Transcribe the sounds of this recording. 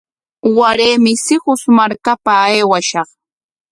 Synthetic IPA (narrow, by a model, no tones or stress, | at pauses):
waɾeːmɪsɪɢʊsmaɾkapaːjwaʃɑχ